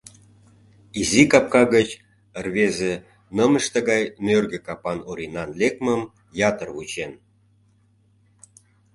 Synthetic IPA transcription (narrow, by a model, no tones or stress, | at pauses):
izikɑp̚kɑɣət͡ɕ | ərβeze | nəmə̆ʃt̪ĕɣɑjmʲørɡə̆kɑpɑnoɾinɑnlekməm | jɑt̪ərβut͡ɕen